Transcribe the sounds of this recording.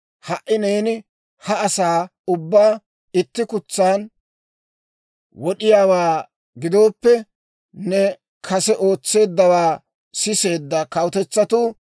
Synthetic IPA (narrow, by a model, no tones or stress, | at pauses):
hɐʔɪne̞ːnɪ | hɐɐsaːʊbːaː | ɪt̪ːɪkʊt͡sːaːn | wɔɗɪjaːwaː | ɡɪd̪o̞ːpːɛ | nɛ | kʰɐsɛʔo̞ːt͡sːe̞ːd̪ːɐwaː | sɪse̞ːd̪ːɐkɐwʊt̪ɛt͡sːɐt̪uː